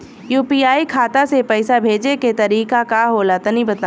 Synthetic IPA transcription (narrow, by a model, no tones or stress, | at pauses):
juːpiːaːikʰaːt̪asepɛɪsabʱeːd͡ʒeket̪ɐɾiːkakaɦoːlaːt̪ɐnɦĩbɐt̪a